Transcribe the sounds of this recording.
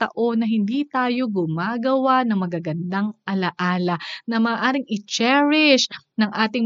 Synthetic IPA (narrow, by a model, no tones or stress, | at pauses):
t̪ɐ̰ʔo̞nːɐɦɪnd̪it̪aːjo̞ɡʊmaːɡɐwanɐŋmɐɡaɡɐnd̪aŋʔɐlɐʔaːlɐnɐmɐːʔaːɾɪŋɪt͡ʃɛɹɪʃnɐŋʔaːt̪ɪŋ